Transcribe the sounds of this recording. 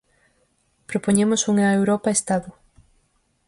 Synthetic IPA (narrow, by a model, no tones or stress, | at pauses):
pɾopoɲemʊsuŋaewɾɔpaest̪aðʊ